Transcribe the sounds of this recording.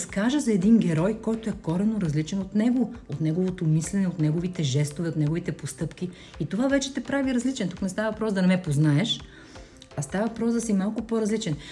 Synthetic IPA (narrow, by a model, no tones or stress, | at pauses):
skaʒəzɐɛd̪inɡʲɛɾɔjkɔjt̪oɛkɔɾɛnoɾɐzlit͡ʃɛnot̪nɛɡoot̪nɛɡovot̪omislɛnɛot̪nɛɡovit̪ɛʒɛst̪ovɛot̪nɛɡovit̪ɛpost̪ɤpk̟i | it̪ovavɛt͡ʃɛt̪ɛpɾaviɾɐzlit͡ʃɛnt̪uknɛst̪avɐvɐpɾɔsd̪ɐnɐmɛpoznaɛʃ | ɐst̪avɐvɐpɾɔzd̪ɐsimalˠkʊpoɾɐzlit͡ʃɛn